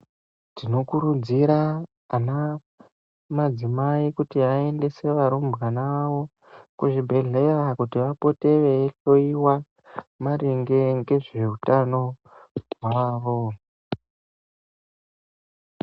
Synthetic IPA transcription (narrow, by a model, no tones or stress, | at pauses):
tino̞kuɾud͡ziɾaː | na | mad͡zimaikutiae̞nde̞se̞ʋaɾombɣanaʋo̞ | kuʐibʱe̞ɮe̞rakutiʋapo̞te̞ʋe̞ɬo̞iwa | maɾeŋɡe̞ŋɡe̞ʐe̞utano̞ | ɦwaːʋo̞